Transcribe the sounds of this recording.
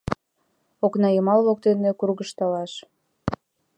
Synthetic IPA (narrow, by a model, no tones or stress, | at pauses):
oknɑjəmɑllok̚t̪enekurɣəʃt̪ɑlɑʃ